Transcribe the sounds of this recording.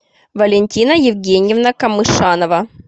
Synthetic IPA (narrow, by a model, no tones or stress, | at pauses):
vɐlʲɪnʲtʲinəjɪvɡʲenʲɪjɪvnəkɐmɨʂanəvə